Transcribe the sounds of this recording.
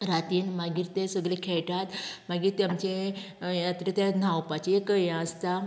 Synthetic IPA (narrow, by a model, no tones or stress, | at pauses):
ɾat̪iːnmaɡiːɾt̪esəɡlekʰɛɭʈat̪maɡiːɾt̪jamt͡ɕe | jat̪ɾet̪janawpat͡ɕiekəjãəst̪a